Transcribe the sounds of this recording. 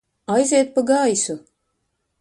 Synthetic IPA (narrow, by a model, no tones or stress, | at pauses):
ajzʲeɛt̪̚paɡajsu